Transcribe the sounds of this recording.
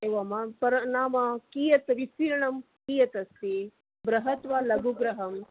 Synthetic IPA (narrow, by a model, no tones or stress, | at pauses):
eːʋɐmɐpɐɾnaːmɐkiːjɐt̪ʋisiːɾɐɳɐm | kiːjɐt̪ɐst̪i | bɾɐɦɐt̪ʋaːlɐɡuɡɾɐɦɐm